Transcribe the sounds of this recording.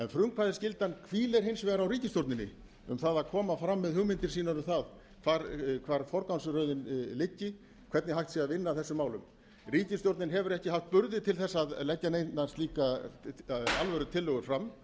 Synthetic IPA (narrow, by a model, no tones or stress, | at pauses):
ɛnfɾʏŋkfaðɪscɪlt̪ankʰviːlɛɾ̥ɦɪnsvɛːɣɾawriːcɪsjowɾt̪nɪnːɪ̰ | ʏ̰mθaðakʰɔːmafɾamːɛðhʏɣmɪnt̪ɪɾsiːnaɾʏθað | kʰvaɾkʰvaːɾfɔɾkansʏɾœɥðɪnlɪcːɪ | kʰvɛɾt̪nɪɦajht̪siaðvɪnːaθɛsːʏmaːwlʏm | riːcɪst̪jowɾt̪nɪnɦɛvʏɾɛhcɪɦaft̪̚pʏɾðɪt̪ʰɪlθɛsːaðlɛcːanej̪anst̪liːka | alvœɾʏt̪ʰɪlːœɣʏɾ̥fɾamː